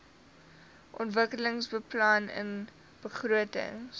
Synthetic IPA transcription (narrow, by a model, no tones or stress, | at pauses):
ʔɔntvəkələŋsbəplanə̰n | b̥əχruətə̰ŋ